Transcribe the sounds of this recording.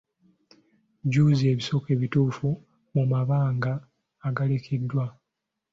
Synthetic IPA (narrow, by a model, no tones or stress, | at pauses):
ɟuːzie̞ːβiso̞ːke̞ːβituːfu | mumaβaːŋɡaː | ɡalekʰedːwa